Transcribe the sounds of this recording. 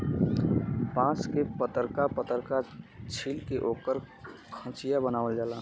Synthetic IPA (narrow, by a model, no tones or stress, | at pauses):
pãːskepət̪əɾkapət̪əɾkat͡ʃʰilkeʔoːkəɾ | kʰə̃t͡ʃijabənaːʋəld͡ʒaːla